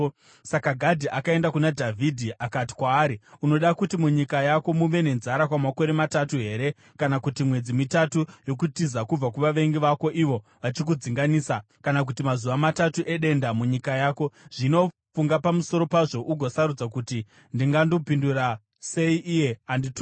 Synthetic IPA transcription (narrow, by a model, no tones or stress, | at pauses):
sakaɡʱadʱiʔakae̞ndakunadʱavʱidʱiʔakati̥kwaːɾiuno̞ɗakutimuɲikajako̞muʋe̞ne̞nzaɾakwamako̞ɾe̞matatuɦe̞ːɾe̞ | kanakutimwe̞d͡zimitatujo̞kutizakub͡vak̬uʋaʋe̞ŋɡiʋako̞ʔiʋo̞ʋat͡ʃik̬ud͡ziŋɡaniːsa | kanak̬utimazuʋamatatuʔe̞ɗe̞ndamuɲikajaːko̞ʐ̥ino̞ | fuŋɡapamuso̞ɾo̞paʐo̞ʔuɡʱo̞saɾud͡zak̬uti | ndiŋɡando̞pindura | se̞iʔije̞andit